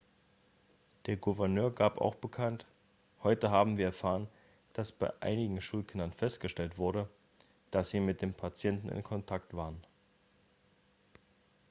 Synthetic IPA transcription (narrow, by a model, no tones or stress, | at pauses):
d̥eːɐɡuvɛɐnøːɐɡaːpʔa̰ʊxb̥əkʰant | hɔʏtəɦaːbm̩viːɐɛɐfaːʁ̞ən | d̥asb̥aɪʔa̰ɪnɪɡŋ̩ʃuːlkʰɪndɐnfɛstɡ̥əʃtɛltv̥ʊɐɾə | d̥asz̥iːmɪt̚d̥eːmpʰat͡sjɛntn̩ɪ̰nkʰɔntʰak̚tv̥aːʁən